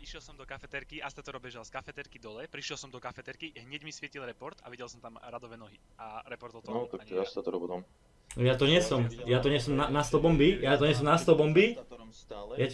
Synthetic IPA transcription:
iʃɪɛlˠsɔmd̪ɔkafɛt̪ɛɾkiʔast̪at̪ɔɾɔbɛʒalskafɛt̪ɛɾkid̪ɔlɛpɾiʃjɛlˠsɔmd̪ɔkafɛt̪ɛɾkiɦɲɛɟmisʋɪɛcilɾɛpɔɾt̪a̰ʋiɟɛlˠsɔmt̪amɾad̪ɔʋɛːnɔɦi | aɾɛpɔɾt̪ɔnɔt̪ak̚t̪ɔast̪at̪ɔɾɔbɔd̪ɔm | jat̪ɔɲɪɛsɔmjat̪ɔɲɪɛsɔmnanast̪ɔbɔmbijat̪ɔɲɛs̬ɔmnast̪ɔbɔmbi | ja

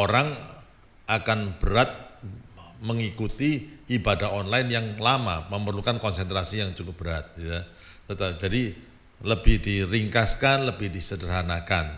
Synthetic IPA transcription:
oɾaŋ | ʔakanb̥əɾat̪̚ | məŋikut̪iʔibadahɔnlaɪnjaŋlama̰məmərlukankɔnsɛnt̪ɾasijaŋt͡ʃukʊp̚b̥əɾat̪̚ja | t̪ət̪ad͡ʒadi | ləbɪhdiɾiŋkaskanləbɪhdisədərɦanakan

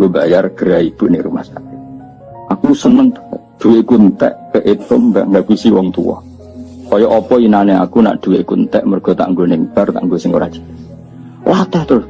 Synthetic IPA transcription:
ŋɡobajarɡ̥əɾaib̥ṳʔnɪʔɾuma̰hsakɪ | akusənəŋd̪̥uwekunt̪ɛ̰ʔkəʔet̪ʊmbaʔŋɡaɡusiwɔŋt̪ṵwɔ̰ | kɔjɔʔɔpɔinanea̰kuna̰ʔd̪̥ṳweʔkunt̪ɛʔmərɡ̥ɔ̤t̪a̰ʔŋɡonɪŋb̥art̪a̰ʔŋɡosɪŋɡoɾad̥d͡ʒ̥i̤̥ | lat̪ɛht̪ɾʊs

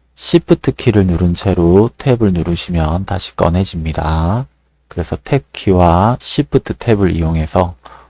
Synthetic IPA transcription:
ɕʰipʰɯtʰɯkʰiɾɯɭnuɾɯnt͡ɕʰe̞ɾotʰe̞bɯɭnuɾuɕʰimjʌntaɕʰi̥k͈ʌ̰nɦe̞d͡ʑimɲida | kɯɾe̞sʰʌtʰe̞kʰiwaɕʰipʰɯtʰɯtʰe̞bɯɾḭjoŋe̞sʰʌ

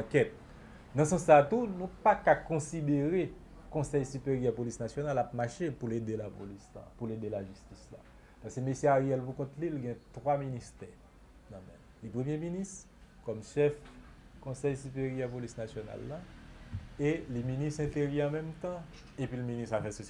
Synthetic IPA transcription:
kɛt̪̚ | d̪ɑ̃sɑ̃sːat̪unũpakakɔ̃sid̪eʁe | kɔ̃sɛjsypeʁjɛpolisnasjonalapmaʃepuled̪elapo̰lisla̰puled̪elaʒyst̪isla̰ | pasɛmeseaʁiɛlpukɔ̃t̪lilɡɛ̃t̪waminist̪ɛ | nãmɛ̰m | lipʁəmjeminist̪ | kɔmʃɛf | kɔ̃sɛjsypeʁjɛʁpolisnasjona̰lːa | eliminist̪ɛ̃t̪eʁjɛɑ̃mɛmt̪ɑ̃ | epɥiləministafɛso

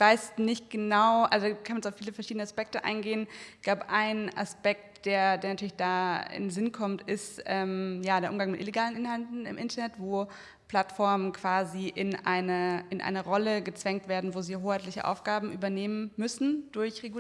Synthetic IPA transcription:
v̥aɪsnɪçt̚ɡ̥ənaʊʔalzodkʰanmanɛt͡saʊfːiːləfɛɐʃiːdənəaspɛk̚təʔa̰ɪnɡeːənɡ̥laʊbəʔaɪna̰spɛk̚td̥eːɐdeːɐnatʰyːɐlɪçd̥aːɪ̰nnzɪnkʰɔmtʔɪstʔɛːmjaːdeːɐʔʊmɡaŋmɪtʔḭleɡaːlənʔɪnhaltn̩ɪ̰mʔɪntɐnɛtv̥oː | pl̥atfɔɐmənkv̥aːziʔɪnʔa̰ɪnɐʔɪnʔa̰ɪnɐʁɔləɡət͡sv̥ɛŋk̚tv̥eːɐdn̩voːziːɦoːxhaɪtlɪçəʔa̰ʊfɡ̥aːbm̩ʔyːbɐneːmənmʏsn̩d̥ʊɐçʁeɡ

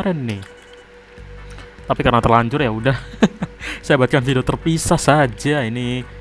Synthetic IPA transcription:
ɾɛnːɪh | t̪apikarnat̪ərlaɲt͡ʃʊrjaudah | saabat̪̚kanfidiot̪ərpisahsad͡ʒaini

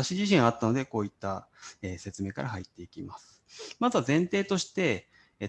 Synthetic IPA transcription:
aɕiʑiɕ̬ĩɰ̃at̪ːano̞d̪e̞ko̞ːit̪ːaeːse̞t͡sɨme̞ːkaɾaɦait̪ːe̞ikʲimasɨ̥mazβazẽ̞nt̪e̞ːt̪o̞ɕi̥t̪e̞

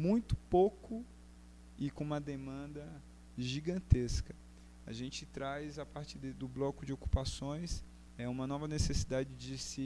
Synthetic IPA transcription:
mũj̃t̪ʊ̥pokʊ | ɪkõũmɐd̪emɐ̃nd̪ɐ | ʒiɡɐ̃t̪eskɐ | a̰ʒẽnt͡ʃɪt̪ɾajzapaɾt͡ʃɪd̪d̪ʊblɔkʊd͡ʒɪoku̥pasõj̃s | ɛũmɐnɔvɐnesesid̪ad͡ʒɪd͡ʒɪsɪ

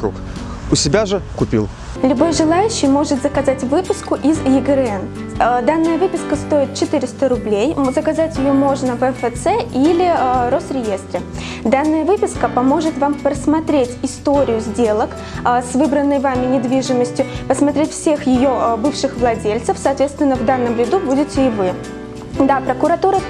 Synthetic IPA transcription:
ṵk | ʊsʲɪbʲaʐɨkʊpʲḭlˠ | lʲʊbo̞jʐɨlˠajʉɕːɪjmo̞ʐɨt̪zəkɐzatʲvɨpʊskʊʔɪzjɪɡəɾɛn | d̪anːɨjəvɨpʲɪskəst̪o̞jɪt̪̚t͡ɕɪt̪ɨɾʲɪst̪əɾʊblʲejzəkɐzatʲjɪjo̞mo̞ʐnəvɛfət̪sɛʔilʲɪɾo̞st̪ɾʲɪje̞st̪ɾʲɪ | d̪anːəjəvɨpʲɪskəpɐmo̞ʐɨt̪vampɾəsmɐt̪ɾʲetʲɪst̪o̞ɾʲɪjʊzʲdʲelˠək | svɨbɾənːɨjvamʲɪnʲɪd̪vʲiʐɨməsʲtʲjʊpəsmɐt̪ɾʲetʲfsʲe̞xjɪjobɨfʂɨxvlˠɐdʲelʲt̪səfsɐːt̪vʲet̪st̪vʲɪnːəvd̪anːəmvʲɪd̪ubudʲɪtʲɪːvɨ | d̪apɾəkʊɾɐt̪uɾə

